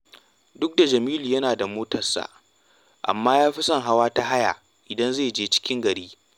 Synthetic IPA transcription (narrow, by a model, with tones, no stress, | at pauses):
dʊ˦k̚da˨d͡ʒɐ˨miː˦lu˨jɐ˦naː˨da˨moː˦tɐ˨rsa̰ː˨ | ʔa̰˨mːaː˦jaː˦ɸi˦sɐ˦ŋɦa˦waː˦ta˦ɦa˦ja˨ | ʔɪ˨dɐ˦nzeː˦˨d͡ʒeː˦t͡ʃɪ̥˦kʲɪ˦ŋɡɐ˨ɽiː˦